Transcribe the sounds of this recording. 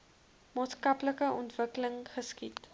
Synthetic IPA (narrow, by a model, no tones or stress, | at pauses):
mɑːtskɐpləkəʔɔntv̥əkələŋχəskit